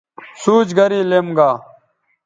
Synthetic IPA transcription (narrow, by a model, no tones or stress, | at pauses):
suːd͡ʑɡɐɾiːlemɡaː